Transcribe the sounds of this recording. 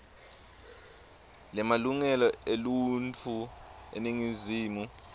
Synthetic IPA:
lɛmaluŋɛlɔelunt͡fʰuḛniŋiziːmu

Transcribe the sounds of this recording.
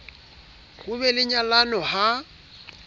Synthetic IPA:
ɣuβɛlɪɲalanɔha

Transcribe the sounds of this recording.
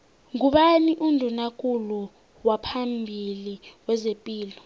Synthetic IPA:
ŋuɓaniʔundʱunakʼulu | wapʰambʱiliwɛzepʼiːlɔ

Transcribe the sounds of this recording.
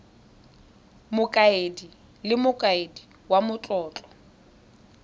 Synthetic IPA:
mʊkʼaedi | lɪmʊkʼaedi | wamʊt͡ɬʼɔːt͡ɬʼɔ̥

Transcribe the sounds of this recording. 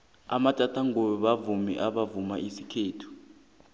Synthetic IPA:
amatʼatʰaŋojɔɓavumḭʔaɓavumaʔisikʰeːtʰu̥

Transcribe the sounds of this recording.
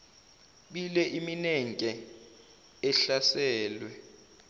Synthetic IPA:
ɓilɛʔiminɛŋkʼɛ | ɛɬasɛːlwɛ

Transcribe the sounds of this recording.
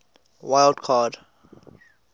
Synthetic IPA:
wajldkʰad

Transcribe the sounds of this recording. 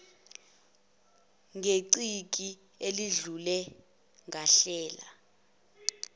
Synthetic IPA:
ŋʱeǀik̬ʼi | eliɮulɛ | ŋʱaɬɛːla̰

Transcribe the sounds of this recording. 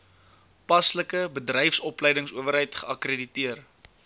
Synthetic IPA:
pɐsləkəbədrɛjfsɔplɛjdəŋsṵəvəɾɦəjtχəɐkreditiər

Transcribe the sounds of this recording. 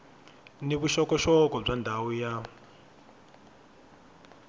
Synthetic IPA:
niβuʃɔkɔʃɔkɔb͡ʐandʱawuja

